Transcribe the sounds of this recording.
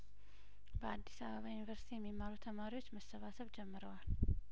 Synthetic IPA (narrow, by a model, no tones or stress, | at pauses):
bəad̪ːisaβəβajunivəɾsi̥t̪ʰijɛmːimːaɾut̪ʰəmaɾiwo̞t͡ʃːməsəβasəβd͡ʒɛmːɨɾəwal